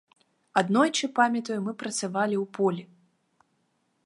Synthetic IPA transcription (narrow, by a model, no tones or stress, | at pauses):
ad̪nɔjt͡ʂɨpamʲɐt̪ɐjumɨpɾɐt̪savalʲiwpɔlʲi